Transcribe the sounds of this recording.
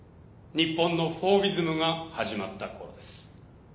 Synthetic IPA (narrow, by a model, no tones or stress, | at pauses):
ɲ̟ipːõ̞nːo̞ɸo̞ːbʲizɨmɯ̟ɡahaʑimat̪ːako̞ɾo̞̰d̪e̞sɨ̥